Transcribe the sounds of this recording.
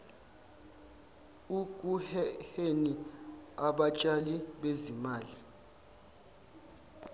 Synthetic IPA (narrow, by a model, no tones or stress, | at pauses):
ukʼuhheniaɓat͡ʃʼaliɓezimaːli